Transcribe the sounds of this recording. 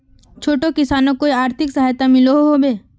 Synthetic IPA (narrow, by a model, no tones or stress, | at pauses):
t͡ʃʰoːʈokɪsaːnõkoiaːɾt̪ʰɪksəɦaːjt̪amɪloɦoɦobeː